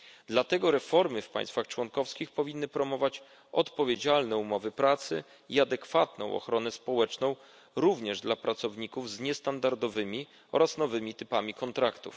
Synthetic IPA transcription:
d̪lat̪ɛɡɔɾɛfɔɾmɘfpa̰jst̪faxt͡ʂwɔnkɔfskʲixpɔvʲinːɘpɾɔmɔvat͡ɕ | ɔt̪pɔvʲjed͡ʑalnɛumɔvɘpɾat̪sɘ̰ | iad̪ɛkfat̪nɔ̰̃w̃ʔɔ̰xɾɔnɛspɔwɛt͡ʂnɔ̃w̃ | ɾuvɲɛʐd̪lapɾat̪sɔvɲikuvzɲɛst̪and̪aɾd̪ɔvɘmʲi | ɔ̰ɾasnɔvɘmʲit̪ɘpamʲikɔnt̪ɾakt̪ṵf

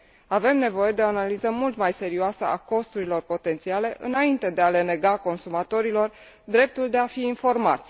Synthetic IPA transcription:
ave̞mne̞vo̞je̞d̪eo̞analizəmult̪majse̞ɾioasə̰ako̞st̪uɾilo̞rpo̞t̪e̞nt̪siale̞ʔɨ̰naint̪e̞d̪e̞ale̞ne̞ɡako̞nsumat̪o̞ɾilo̞r | d̪ɾe̞p̚t̪uld̪e̞afiːnfo̞rma̰t̪sʲ

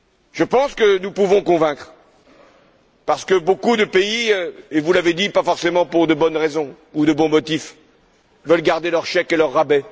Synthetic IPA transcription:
ʒ̥əpɑ̃skənupuvɔ̃kɔ̃vɛ̃kχ | paʁsə̥kəbokud̪əpeievulaved̪ipafɔʁsemɑ̃puʁd̪əbɔnʁezɔ̃ | ud̪əbɔ̃mɔt̪if | vœlɡaʁd̪elœʁʃɛkelœʁːabɛ

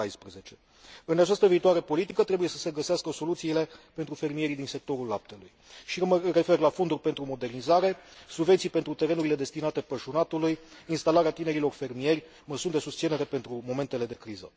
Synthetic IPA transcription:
ajspɾeze̞t͡ʃe̞ | ɨnat͡ʃast̪əviːt̪uaɾe̞po̞lit̪ikət̪ɾe̞buje̞sə̥se̞ɡəseaskəso̞lut̪siːle̞pe̞nt̪ɾufe̞rmije̞ɾid̪inse̞k̚t̪o̞ɾulːap̚t̪e̞lujʃiməre̞fe̞rlafo̞nd̪urʲpe̞nt̪ɾumo̞d̪e̞rnizaɾe̞subve̞ntsijpe̞nt̪ɾut̪e̞ɾenuɾile̞d̪e̞st̪inat̪e̞pəʃunat̪ulujinst̪alaɾeat̪ine̞ɾilo̞rfe̞rmije̞rʲ | məsund̪e̞sust̪sine̞ɾe̞pe̞nt̪ɾumo̞me̞nt̪e̞le̞d̪e̞kɾizə̰

